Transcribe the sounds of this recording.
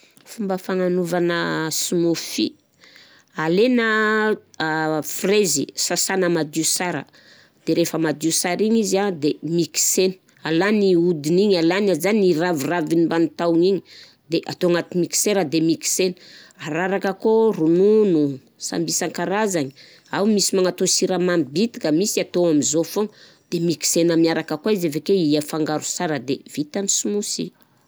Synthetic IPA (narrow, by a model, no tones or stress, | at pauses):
fumbəfananuvanəsumufḭ | alenə | frezḭsasanəmad̪isaɾə̰ | d̪̥eɾefəmad̪usaɾiɲizad̪emiki̥seni̥ | alaniud̪iniɲalanazaniravuravinimbanit̪awiɲiɲi | d̪eʔat̪oaŋat̪imiki̥seɾad̪emiki̥seni̥aɾaɾakəkorununu | sa̰mbisaŋkaɾazaɲi | awmisimanat̪osiɾamamibit̪i̥kəmisiat̪oamizofoŋ | d̪̥emiki̥senamiaɾakəkwaizevekeiafaŋɡaɾu̥saɾəd̪ev̥it̪anisumusi